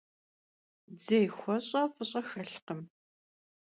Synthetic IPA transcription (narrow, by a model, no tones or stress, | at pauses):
d͡zejxʷɔɕʼɐfɨɕʼɐxɐɬqəm